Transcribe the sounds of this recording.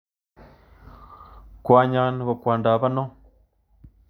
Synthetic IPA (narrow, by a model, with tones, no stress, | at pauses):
kwa˨˦ɲa˦nko˨kwa˨nda˨ba˦nɔ˦